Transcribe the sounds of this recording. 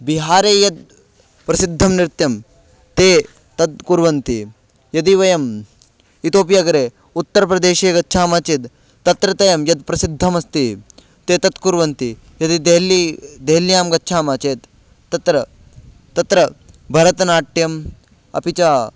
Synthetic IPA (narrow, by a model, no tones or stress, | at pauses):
biɦaːɾeːjɐd̪̚ | pɾɐsid̪ʱːɐmniɾt̪jɐm | t̪eː | t̪ɐd̪̚kuɾʋɐnt̪i | jɐd̪iʋɐjɐm | it̪oːp̬jaɡɐɾeː | ut̪ːɐɾɐpɾɐd̪eːʃeːɡɐtːʃʰaːmaːt͡ʃid̪ | t̪ːɐt̪ɾɐt̪ɐjɐmjɐd̪̚pɾɐsid̪ʱːɐmɐst̪i | t̪eːt̪ɐt̪kuɾʋɐnt̪i | jɐd̪id̪eɦlid̪eɦljaːmɡɐtːʃʰaːmaːt͡ʃeːt̪ː | ɐt̪ɾɐ | t̪ːɐt̪ɾɐ | bʱɐɾɐt̪ɐnaːʈːjɐm | ɐ̰pit͡ʃaː